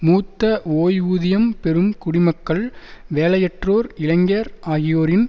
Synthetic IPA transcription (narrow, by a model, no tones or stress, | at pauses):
muːt̪ːɐoːjʋuːðɪjɐmpɛɾɯmkʊɽɪmɐkːɐɭʋeːlɐjɛʈroːɾɪlɐŋɡeːɾʔaːɣɪjoːɾɪn